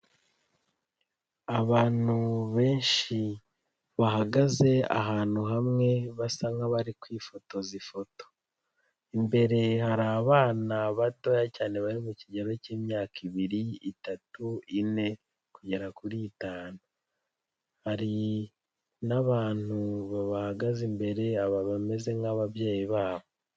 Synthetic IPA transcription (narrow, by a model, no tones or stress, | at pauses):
aβaːn̥uβe̞ːnʃi | βaɦaɡaze̞a̰ɦaːn̥huɦamŋe̞βasaŋɡaβaɾikwiːfo̞to̞zifo̞to̥ | imbe̞ɾe̞haɾaːβaːnaβato̞jacaːne̞βaɾimuciɟe̞ɾo̞ceːmɲaːkʰiβiɾiitatuine̞ | kuɟe̞ɾakuɾiːtaːnu | haɾi | naβaːn̥huβaβahaɡazimbe̞ɾe̞aβaβame̞ze̞ŋaβaβjeːjiβaːβo